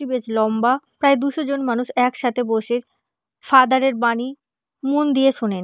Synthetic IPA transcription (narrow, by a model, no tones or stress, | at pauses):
ibed͡ʑlɔmbapɾaed̪uʃod͡ʑonmanuʃɛkʃat̪ʰeboʃeɾ | fad̪aɾeɾbani | mond̪ijeʃonen